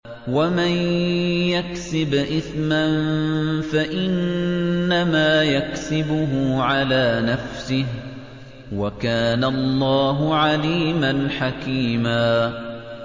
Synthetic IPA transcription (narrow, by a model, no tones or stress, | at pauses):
wamanjaksɪbʔɪθmanfaʔɪnː | amaːjaksɪbʊɦʊʕalaːnafsɪh | wakaːnaɑlˤːɑːɦʊʕaliːmanħakiːmaː